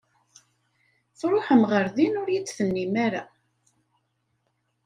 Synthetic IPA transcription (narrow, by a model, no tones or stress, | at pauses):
θɾˤoħəmʁəɾðinʊɾjit͡sːθənːimaɾa